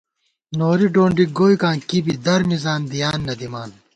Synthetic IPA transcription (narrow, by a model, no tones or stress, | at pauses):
noːɾiɖoːɳɖiɡoːjkãːkibid̪ɐɾmizaːnd̪ijaːnːɐd̪imaːn